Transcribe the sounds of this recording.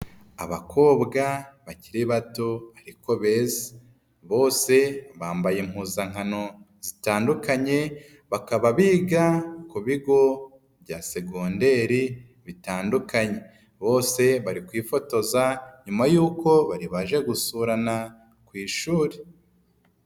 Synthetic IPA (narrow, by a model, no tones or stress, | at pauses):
a̰βa̰kʰo̞ːbɡaβaciɾiβatoβaɾiko̞βe̞ze̥ | βo̞ːse̞βaːmbajem̥huːzaŋ̥ano̞ | z̥itaːndukaɲe̞ | βakaβaβiːɡakuβiɡo̞ | βɟase̞ɡonde̞ːɾi | βitaːndukaɲe̞ | βo̞ːse̞βaɾikwiːfo̞to̞zaɲumajuːko̞βaɾiβaʒe̞ɡusuːɾana | kwiːʃuːɾe